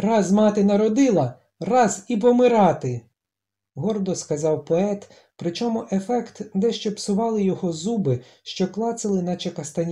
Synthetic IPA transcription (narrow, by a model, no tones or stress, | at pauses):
rɑzmɑt̪ɪnɐɾɔd̪ɪlˠɐ | rɑzip̬ɔmɪɾɑt̪ɪ | ɦɔrd̪ɔskɐzɑwpɔɛt̪ | pɾɪt͡ʃɔmʊʔefɛkt̪d̪ɛʃt͡ʃɛpsʊʋɑlˠɪjɔɦɔzubɪʃt͡ʃɔklˠɑsɪlˠɪnɐt͡ʃekɐst̪ɐnʲ